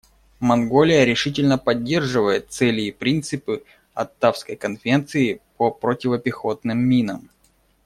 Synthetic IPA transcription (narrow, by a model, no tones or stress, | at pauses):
mɐnɡo̞lʲɪjəɾʲɪʂɨtʲɪlʲnəpɐdʲːe̞rʐɨvəjɪt̪̚sɛlʲɪːpɾʲint̪sɨpɨ | ɐ̰t̪ːafskəjkənfʲent̪sɨɪpəpɾotʲɪvəpʲɪxo̞t̪nɨmːʲinəm